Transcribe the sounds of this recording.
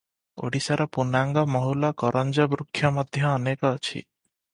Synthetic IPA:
o̰ɽisaɾɔpunaŋɡɔmɔɦulɔkɔɾʔɔnd͡ʒɔbɾukʰːjɔmɔd̪ʱjɔːnekɔːt͡ʃʰḭ

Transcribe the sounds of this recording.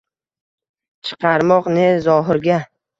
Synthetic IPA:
t͡ʃʰɨ̥qʰɑɾmɒqnezɒɦɪɾɡʲa

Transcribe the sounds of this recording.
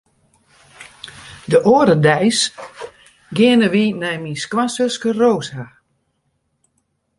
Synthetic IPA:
dəʔoəɾədɛjs | ɡɪənəʋinɛjminskwasøskəroːsha

